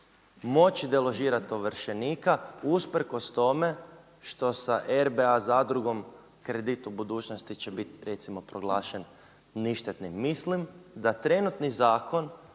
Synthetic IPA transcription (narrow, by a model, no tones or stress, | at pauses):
mo̞t͡ɕid̪elˠo̞ʒiːɾat̪oʋəɾʃeniːkauspɾ̩ko̞st̪o̞me̞ | ʃt̪o̞saʔeɾbeazad̪ɾuɡo̞m | kɾe̞d̪it̪ubud̪uːt͡ʃnost̪it͡ɕe̞bit̪ɾe̞t̪simo̞pɾoɡlˠaːʃen | niʃt̪et̪nimːislimd̪at̪ɾe̞nut̪nizaːko̞n